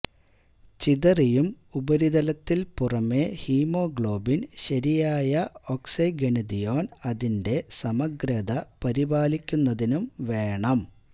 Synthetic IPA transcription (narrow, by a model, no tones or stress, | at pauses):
t͡ɕiðɐrijum | ubɐɾiðɐlɐt̪ːilpurɐme̞hiːmo̞ːɡɭo̞ːbinɕɐɾijaːjɐoksɐjɡenɐd̪ijoːnɐðinde̞sɐmɐɡɾɐd̪ɐpɐɾibaːlikʲːunːɐðinumʋe̞ːɳɐm